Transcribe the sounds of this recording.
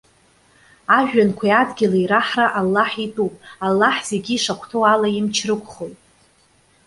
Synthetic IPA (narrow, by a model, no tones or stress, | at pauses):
aʒᶣankʷʰaiadɡʲɪlaiɾaħraʔalːaħitʼupʼalːaħz̥e̞ɡʲiiʂakʷʰtʰoalaimt͡ʃʰrɨkʷʰʼχojtʼ